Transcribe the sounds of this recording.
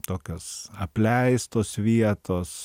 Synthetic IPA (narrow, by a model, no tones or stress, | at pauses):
t̪oːkʲoːsɐpʲlʲɛɪst̪oːsʋʲiɛt̪oːs